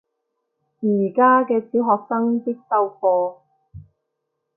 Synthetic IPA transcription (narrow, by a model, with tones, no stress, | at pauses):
i˨˩kaː˥kɛː˧t͡siː˨˥wɦɔː˨k̚sɐ˥ŋt̪ɪ˥k̚sɐ˧wfɔː˧